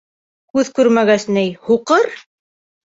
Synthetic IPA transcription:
kʉðkʉɾmæɡæsnæjhuqɤɾ

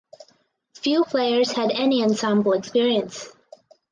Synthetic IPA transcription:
fjʉpʰl̥eɪə˞z̥ɨɾɛniɨ̃nsɑ̃mbl̩ˠəkspɪɹiɨ̃ns

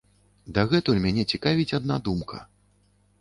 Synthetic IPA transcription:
d̪ɐɣɛt̪ulʲmʲanʲɛt͡sʲikavʲit͡sʲad̪nad̪umkɐ̰

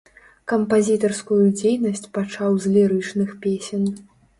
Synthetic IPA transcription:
kɐmpazʲit̪ɐrskujud͡zʲejnɐsʲt͡sʲpat͡ʂawzʲlʲɛɾɨt͡ʂnɨxpʲesʲɛn

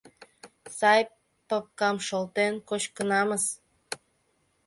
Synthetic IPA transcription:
sɑj | pəp̚kɑmʃolt̪enkot͡ɕkənɑməz

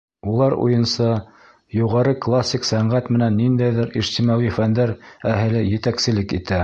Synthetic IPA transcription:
ulˠɑɾṵjɤ̆nsɑ | juʁɑɾɤklˠasʲːiksæɴʁæt̪mɘ̆nænːind̪æjðɘɾiʒt̪imɑʁifænd̪æɾæɦɘ̆lɘjɘ̆t̪æksɘ̆lɘkit̪æ

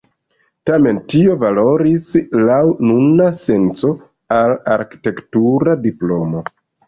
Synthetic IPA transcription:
tame̞ntio̞valo̞ɾislawnunase̞nt͡so̞ | alaɾki̥te̞ktuɾadiplo̞mo̞

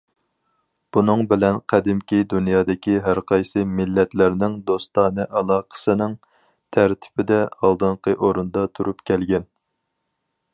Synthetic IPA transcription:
b̥unɨŋbɪlɛnqʰæd̪ɪmkʲid̪unjɑːd̪ɪkʲiɦæɾqʰɑjsɨmɪlːɛt̪læɾnɪŋd̪ost̪ɑːnɨʔɑlˠɑːqʰə̥sɨnɪŋ | t̪ʰæɾt̪ʰɪ̥bɪd̪ɛɑlˠd̪ɨɴqʰəʔoɾund̪ɑt̪ʰuɾupkʲʰɛlɡʲɛn

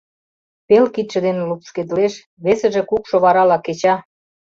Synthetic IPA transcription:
pelkit̪ʃə̆d̪enelupʃked̪əleʃ | βesə̆ʒĕkukʃoβɑɾɑlɑket͡ɕɑ

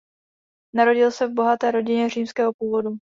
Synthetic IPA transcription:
naɾo̞ɟɪlsɛvbo̞ɦat̪ɛːɾo̞ɟɪɲɛr̝iːmskɛːɦo̞puːvo̞du

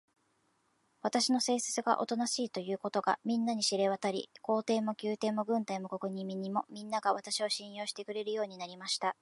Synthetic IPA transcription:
β̞at̪aɕino̞se̞ːsɨ̥t͡sɨɡa̰ʔo̞̰t̪onaɕiːt̪o̞jɯ̟ːko̞t̪o̞ɡa̰mʲĩnːaɲ̟iɕiɾe̞β̞at̪aɾʲḭko̞ːt̪e̞ːmo̞kʲɨːt̪e̞ːmo̞ɡɯ̟̃nt̪aimo̞ko̞kɯ̟ɲ̟ĩmʲĩɲːimo̞mʲĩnːaɡaβat̪aɕioɕĩɰ̃jo̞ːɕi̥t̪e̞kɯ̟ɾe̞ɾɯ̟jo̞ːɲ̟inaɾʲimaɕi̥t̪a

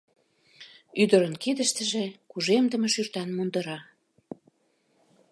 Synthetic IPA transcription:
yd̪ə̆ɾənkid̪əʃt̪ə̆ʒekuʒemd̪əmeʃyrt̪ɑnmund̪ə̆ɾɑ

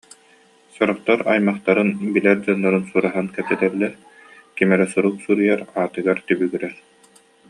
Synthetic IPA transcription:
sɔɾɔχt̪aɾa̰jmaχt̪aɾɯnbilɛɾd͡ʑɔnːaɾɯnsuɾaɦankɛt̪ɛt̪ɛlːɛ | kimɛɾɛsuɾuksuɾɯjaɾaːt̪ɯɡaɾt̪ybyɡiɾɛɾ

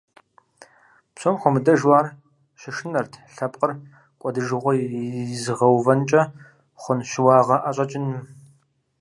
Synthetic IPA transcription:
psʰomχʷɔmɨdɐʒwaːr | ɕɪʂɨnɐrtʰɬɐpʼqʼər | kʷʼɔdɨʒɨʁʷɔzɨʁɐwvɐnt͡ʃʼɐ | χʷʊnʃɪwɑːʁɐʔaɕʼɐt͡ʃʼɪnɨm

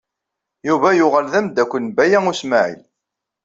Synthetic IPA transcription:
juvæjʊʁəlðæmd̪ækʷːənbæjæŋusmaʕḭl

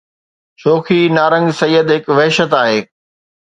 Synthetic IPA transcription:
t͡ɕoːxʰinaːɾə̃ŋɡsɐjːəd̪ɦɪkʋɛɦʃət̪aːɦeː

